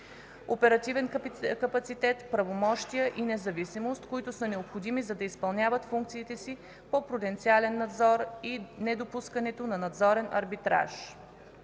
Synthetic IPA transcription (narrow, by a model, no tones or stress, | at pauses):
opɛɾɐt̪ivɛnkɐpɐt̪sit̪ɛt̪pɾɐvomɔʃt̪ijəʔinɛzɐvisimost̪koit̪ʊsənɛopxod̪imizɐd̪ɐispɐlˠnʲavət̪fuŋk̚t̪siːt̪ɛsi | popɾod̪ɛnt̪sialɛnːɐd̪zɔɾinɛd̪opuskɐnɛt̪onɐnɐd̪zɔɾɛnʔɐ̰ɾbit̪ɾa̰ʃ